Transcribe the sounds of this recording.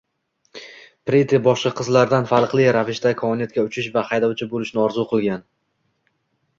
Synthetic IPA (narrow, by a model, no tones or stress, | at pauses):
pɾet̪ʰɪbɒʃɑqʰɨzlaɾd̪anfalˠqlˠɪɾavɪʃt̪akʰɒɪnjat̪̚kʲaʊt͡ʃʰɪʃvahɑjd̪ɒwt͡ʃʰɪbolɪʃnɪɒɾzuqʰɨlˠɡʲan